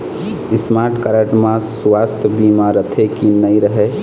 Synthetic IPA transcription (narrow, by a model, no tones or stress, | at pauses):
ɪsmaɾʈkaɾəʈmãsswast̪ʰəbimaɾət̪ʰekinəjɾəɦe